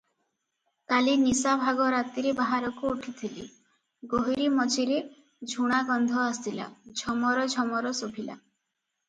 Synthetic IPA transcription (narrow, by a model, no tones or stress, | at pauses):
kalinisabʱaɡɔɾat̪iɾebaɦaɾɔkuuʈʰit̪ʰilḭ | ɡoɦiɾimɔt͡ʃʰiɾe | d͡ʒʱuɽ̃aɡɔnd̪ʱɔast̪ila̰d͡ʒʱɔmɔɾɔd͡ʒʱɔmɔɾɔsobʰʱila̰